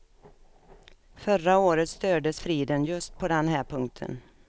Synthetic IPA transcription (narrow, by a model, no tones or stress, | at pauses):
fœraoːɾət̪st̪øːɖəsfɾiːd̪ənjɵst̪̚pʰɔd̪ɛnɦæːɾpʰɵŋk̚t̪ʰə̰n